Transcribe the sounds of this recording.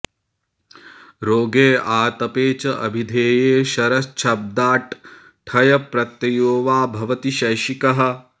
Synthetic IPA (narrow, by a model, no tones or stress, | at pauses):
ɾoːɡeːʔaːt̪ɐpeːt͡ʃɐʔɐ̰bʱid̪ʱeːjeːʃɐɾɐst͡ʃʰɐb̚d̪aːʈ | ʈʰɐjɐpɾɐt̪jɐjoːʋaːbʱɐʋɐt̪iʃɐjʃikɐɦɐ̆